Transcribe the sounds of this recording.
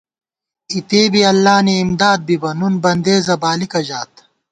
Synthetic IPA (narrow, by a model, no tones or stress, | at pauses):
it̪eːbiɐlːaːniːmd̪aːd̪̚bibɐnunbɐnd̪eːzɐbaːlikɐʑaːt̪